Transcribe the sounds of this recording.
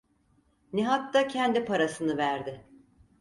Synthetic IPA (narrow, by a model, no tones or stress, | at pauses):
nɛɦat̪ːacʰɛnd̪ipaɾasɯnɯvæɾd̪ɪ